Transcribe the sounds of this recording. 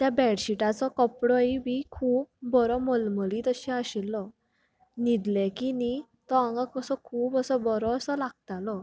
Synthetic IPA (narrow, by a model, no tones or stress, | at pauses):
t̪jabɛɽɕiʈat͡sɔkəpɽɔiʋikʰuːb̚ːɔɾɔməlməlĩt̪əɕiaɕilːɔ | nid̪lɛ̃kini | t̪ɔãŋɡakəsɔkʰuːpəsɔbɔɾɔːsɔlaɡ̥̚t̪alɔ